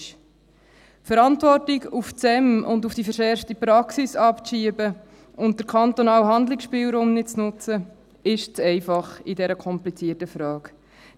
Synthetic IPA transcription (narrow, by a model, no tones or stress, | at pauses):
fəɾɑntvɔrtɪɡuft͡sɛmʊ̰ndufd̥ifəɾʃɛɾftipɾɑksisɑpʃiəbə | ʊnt̚d̥əɾkʰɑnt̪onɑːwɦɑnd̪lɪksʃpiːlɾuːmnɪt̚t͡snʊt͡sə | ɪʃt͡sɛɪfɑχɪdɛɾəkʰɔmplit͡siːətəfɾɑːk